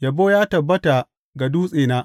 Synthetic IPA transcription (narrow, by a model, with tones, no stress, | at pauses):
jɐ˨boː˦jaː˦tɐ˨bːɐ˦ta˨ | ɡa˨duː˦sʼeː˨naː˦